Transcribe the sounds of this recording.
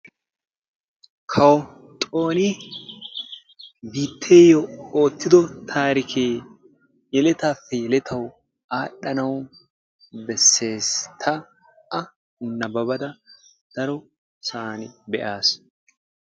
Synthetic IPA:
kʰɐw | t̪ʼo̞ːnɪ | biːt̪ʰːeːjɔo̞ːt̪ːɪd̪ɔt̪ʰaːɾɪkʰeː | jɛlɛt̪aːfːɛjɛlɛt̪ʰɐw | aːɗːɐnɐw | bɛsːe̞ːst̪ʰɐ | ɐ | hʊnːɐbɐbɐd̪ɐ | d̪̥ɐɾɔ | saːnɪbɛʔaːs

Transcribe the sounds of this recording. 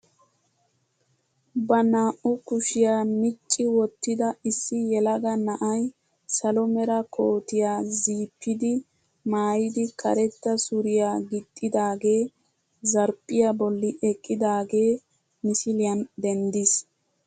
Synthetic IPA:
bɐnaːʔʊkʊʃɪjaːmɪt͡ʃʼːɪwɔt̪ːɪd̪ɐɪsːɪjɛlɐɡɐnɐʔɐj | sɐlɔmɛɾɐkʰo̞ːt̪ɪjaːziːpʰːɪd̪ɪ | maːjɪd̪ɪkʰɐ̰ɾɛt̪ːɐsʊɾɪjaːɡɪt̪ʼːɪd̪aːɡe̞ː | zɐɾpʼːɪjabɔlːɪʔɛkʼːɪd̪aːɡe̞ː | mɪsɪlɪjɐnd̪ɛnd̪ɪs

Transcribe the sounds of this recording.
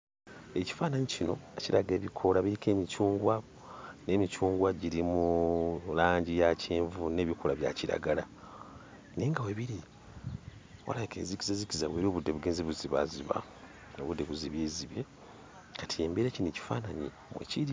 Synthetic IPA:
eci̥faːnaɲicino̞eciɾaɡe̞ːβikʰo̞laβiɾike̞ːmit͡ʃuːŋɡwa | ne̞ːmit͡ʃuːŋɡwaɟiɾimulaːɲɟijaceːɱvune̞ːβiko̞laβja̰ciɾa̰ɡala | neːŋɡaweβiɾi | wa̰laekḛzikizezikizaβweːɾo̞ːβudːeβuɡeːnzeβuziβa̰ziβa̰ | no̰βudːe̞βuziβjeːziβje | katʰie̞ːmbeɾecineci̥faːnaɲi | mwḛciɾi

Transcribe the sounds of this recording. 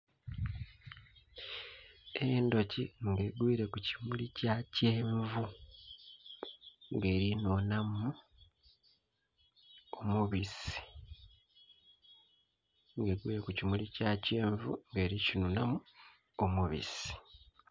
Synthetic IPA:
endo̞ciŋɡe̞ːɡwiːɾe̞kuci̥mulicaːceːɱvu | ŋɡe̞ːɾinoːnamu | omuβisi̥ | ŋɡe̞ːɡwḭːɾe̞kucimulicaːce̞ːɱvuŋɡe̞ːɾicinunamu | omuβḭsi̥

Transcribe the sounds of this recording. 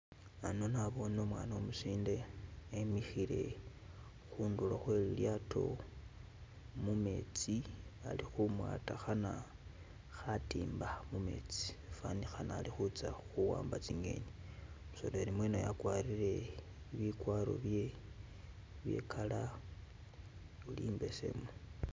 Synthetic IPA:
ano̞naβo̞no̞mwanomusiːndeːmixiɾe̞ | xuːndulaxwe̞ljatʰo̞̰ | mume̞̰ːt͡sia̰lixumwa̰ːtaxana | xatiːmbamume̞̰t͡si̥fanixanaːlixut͡saxuwa̰ːmbat͡siŋe̞̰ɲimuso̞loeɾimwenojakwaɾiɾe̞ | iβikwaɾo̞̰βje̞ | βje̞̰kʰala | uliːmbe̞se̞̰mo

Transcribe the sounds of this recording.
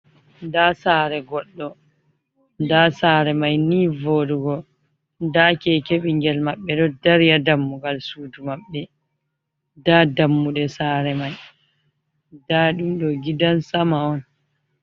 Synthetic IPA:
daːsaːɾɛɡɔɗːɔ | dasaːɾɛmajniːvoːduɡɔ | dakɛkeɓiŋɡɛlmaɓːɛɗɔdaɾjadamːuɡalsuːd͡ʒumaɓːɛ | daːdamːuɗɛsaːɾɛmaj | daːɗumɗɔɡidansamaɔn

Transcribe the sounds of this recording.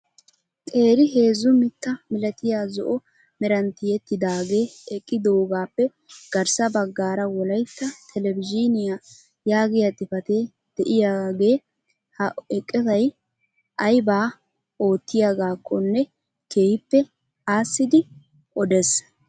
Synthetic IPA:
t̪ʼe̞ːɾɪɦe̞ːzʊmɪt̪ːɐmɪlɐt̪ɪjaːzɔ̰ʔɔ | mɛɾɐnt̪ːɪjɛt̪ːɪd̪aːɡe̞ːɛkʼːɪd̪oɡaːpːɛ | ɡ̥ɐɾsɐbɐɡːaːɾɐwɔlɐjt̪ːɐt̪ʰɛlɛbɪd͡ʒɪnɪja | jaːɡɪjat̪ːɪfɐt̪e | d̪̥ɛʔɪjaːɡe̞ː | hɐɛkʼːɛzɐj | ʔɐjbaː | o̞ːt̪ːɪjaːɡaːkʰːɔnːɛ | ke̞ːhɪpːɛ | aːsːɪd̪ɪ | ʔɔd̪ɛs

